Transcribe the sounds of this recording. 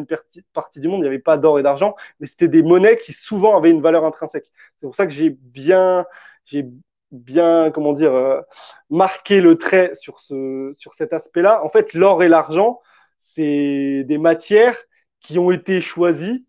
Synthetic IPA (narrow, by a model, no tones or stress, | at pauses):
npt̪ipaʁt̪id̪ymɔ̃d̪iljavɛpad̪ɔʁed̪aʁʒɑ̃mɛse̥t̪ɛd̪emɔnɛkʲʰisuvɑ̃avɛynvalœʁɛ̃t̪χɛ̃sɛk | sɛpuʁsakəʒebjɛ̃ | ʒe | bjɛ̃kɔmɑ̃d̪iːʁømaʁkʲelət̪χɛsyʁsəsyʁsɛt̪aspɛlaʔɑ̃fɛt̪lɔʁelaʁʒɑ̃ | sɛd̪emat̪jɛʁ | kʲiɔ̃et̪eʃwazi